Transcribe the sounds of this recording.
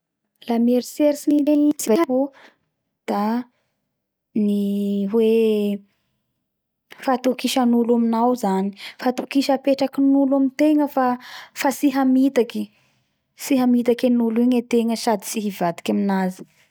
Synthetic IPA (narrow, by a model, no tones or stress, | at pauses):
lameɾiseɾisinileɲisivaapu | d̪̥a | niɦwe | fat̪ukiʃanulaminawzani̥fat̪ukiʃəpeʈ͡ʂakinulamint̪eŋəfafasiɦamit̪aki | siɦamit̪akenuliɲet̪eŋəʃad̪i̥siɦivad̪i̥kʲaminazi̥